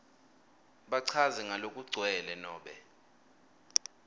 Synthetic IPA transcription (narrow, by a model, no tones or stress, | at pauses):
ɓaǀʰaziŋalokʼuɡ͡ǀʱwɛlɛnɔːɓɛ